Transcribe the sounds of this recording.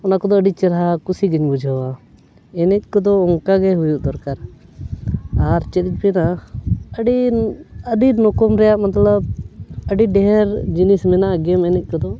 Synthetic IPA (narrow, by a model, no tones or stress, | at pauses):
ɔnakɔd̪ɔəɖit͡ʃɛɾɦakusiɡəɲbud͡ʒʱəwa | ɛnɛt̪̚ˀkɔd̪ɔɔŋkaɡɛɦujuʔd̪ɔɾkaɾ | aɾt͡ʃɛt̪t͡ʃ̚ˀbɛnaəɖi | əɖinɔkɔmɾɛjaʔmat̪ləbəɖiɖɛɦɛɾd͡ʒinismɛnaʔɡɛmɛnɛt̪̚ˀkɔd̪ɔ